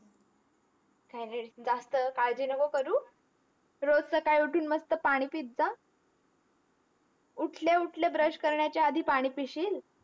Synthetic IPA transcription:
kajned͡zast̪əkaɭd͡ʑinəɡokəɾuː | ɾod͡zsəkaɭjuʈʰuːnməst̪əpaɽ̃iːpit̪̚d͡za | uʈʰleuʈʰljabɾəɕkəɾɳjat͡ɕaəd̪ʱiːpaɽ̃iːpiɕiːl

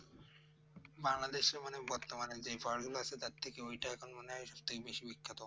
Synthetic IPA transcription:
baŋlad̪eʃemanebɔɾt̪omaned͡ʑejbʱɔɾɡuloat͡ɕʰet̪aɾt̪ʰekeojʈaɛkʰonmaneaʃɔb̚t̪ʰekebeʃibikʰːat̪o

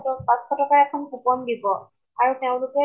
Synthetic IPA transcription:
tɔpãskɔtɔkaɹɛkʰɔnkupɔndibɔ | aɹuteʊ̃lʊkɛ

